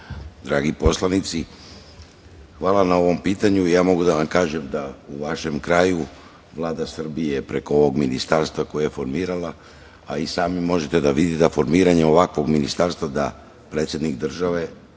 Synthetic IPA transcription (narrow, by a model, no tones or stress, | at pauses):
d̪ɾaːɡipo̞slˠanit̪si | xʋaːlˠanao̞ʋo̞mpiːt̪aɲuijaːmo̞ɡud̪aʋamkaːʒe̞md̪auʋaʃe̞mkɾaːju | ʋlˠaːd̪asr̩bije̞pɾe̞ko̞oʋo̞ɡminist̪aɾst̪vako̞jejefo̞ɾmiːɾala | aisaːmimo̞ʒet̪e̞d̪aʋid̪it̪d̪afo̞ɾmiːɾaɲeo̞ʋakʋo̞ɡminist̪aɾst̪vad̪a | pɾe̞ːt̪sjed̪nikd̪r̩ʒaʋe̞